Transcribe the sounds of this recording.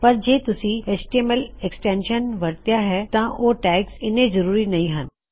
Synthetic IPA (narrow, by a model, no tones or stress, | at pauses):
pɐɾd͡ʒeːt̪ʊsĩesʈieməlɛksʈẽːnʃənʋɐɾt̪jaɦɛt̪ãoʈɛːksɪnẽzɐɾuːɾinɐɦĩɦɐn